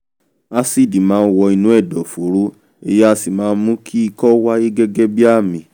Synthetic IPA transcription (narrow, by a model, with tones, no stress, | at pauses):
a˧si˦˨di˨mãː˨˧n̩˦˧wɔ˧i˧nũ˨˦ɛ˦˨dɔ˨fo˨˦ɾo˦ | e˧je˦a˧si˨mãː˨˦˧n̩˦mũ˦kʰi˦i˧kɔ˦wa˦je˦ɡɛ˦ɡɛ˦bi˦a˦˨mĩ˨